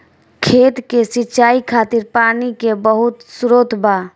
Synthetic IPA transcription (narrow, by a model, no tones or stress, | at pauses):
kʰet̪kesiːt͡ʃaikʰat̪iɾpanikebəɦut̪suɾot̪ba